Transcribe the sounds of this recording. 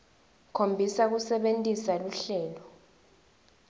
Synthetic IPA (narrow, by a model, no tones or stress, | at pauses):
kʰombʱisak̬usɛɓentʼisaluɬɛːlɔ